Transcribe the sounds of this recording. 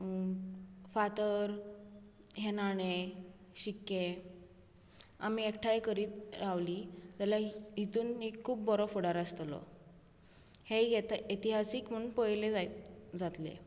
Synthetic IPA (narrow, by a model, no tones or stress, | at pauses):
fat̪əɾ | ɦenaɽ̃e | ɕikːe | a̰miekʈʰajkəɾiːt̪ɾaʋlid͡zaljaɦit̪uːnːikʰːuːbːɔɾɔfuɽaɾəst̪lɔ̰ | hejet̪it̪iɦasiːkm̤əɳunpəjlẽd͡zad͡zat̪lḛ